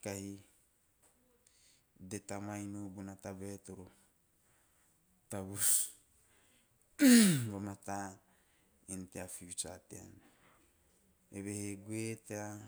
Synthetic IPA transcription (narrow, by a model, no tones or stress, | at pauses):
kahi | det̪amainubunataβet̪oɾo | t̪aβus | βamat̪a | inteafiwt͡ʃatea̰n | eβeheɡuetea